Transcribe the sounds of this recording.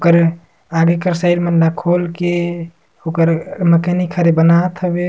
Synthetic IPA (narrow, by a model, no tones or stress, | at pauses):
okəɾ | aɡekəɾsəiɾmənːakʰolke | okəɾməkənikʰəɾebənat̪ɦəbe